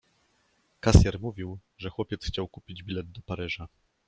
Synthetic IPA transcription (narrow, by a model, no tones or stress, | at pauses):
kasʲjɛɾmuvʲiwʐɛxwɔpʲjɛt̪sxt͡ɕawkupʲid͡ʑbʲilɛd̪̚d̪ɔpaɾɘʐa